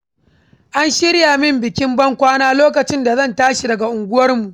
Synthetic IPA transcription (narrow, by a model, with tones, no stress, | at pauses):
ʔa˦nʃɪ˦ɽjaː˨mɪ˦mbɪ˨kʲɪ˦mbɐ˦ŋkʷaː˦naː˦loː˦kɐ˨t͡ʃɪ˦nda˨zɐ˦˨ntaː˦ʃi˨dɐ˨ɡa˨ʔʊ˨ŋɡʷʊ˦wɐ˦rmu˨ʔ